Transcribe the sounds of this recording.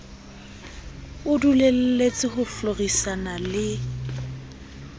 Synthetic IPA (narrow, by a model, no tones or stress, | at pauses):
ʊdulel̩let͡sʼɪɦʊflorisanalɪ